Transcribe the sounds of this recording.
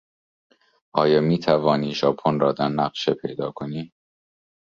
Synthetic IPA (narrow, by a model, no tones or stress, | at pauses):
ʔɒːjɒːmiːt̪ʰævɒːniːʒɒːpʰonrɒːd̪æɾnæɢʃepʰe̞̰jd̪ɒːkʰoniː